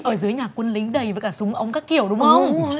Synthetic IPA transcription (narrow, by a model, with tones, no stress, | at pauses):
ʔəː˧˩zɨ˨˦əjɲaː˨˩kwə˧nlï˨˦ŋ̟ɗə˨˩jvəː˨˩kaː˧˩sʊ˨˦ŋ͡mʔə˧wŋ͡mkaː˦˥kːi˧˩əwɗʊ˨˦ŋ͡mxə˧wŋ͡m